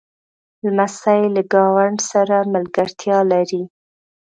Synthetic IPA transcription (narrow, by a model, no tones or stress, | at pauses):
lmasajlaɡɑwaɳɖsaɾaməlɡaɾt̪ʰjɑlaɾi